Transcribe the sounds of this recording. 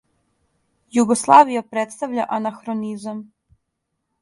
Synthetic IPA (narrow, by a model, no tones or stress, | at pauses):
juɡoslˠaːʋijapɾet̪st̪aʋʎaʔanaxɾonizam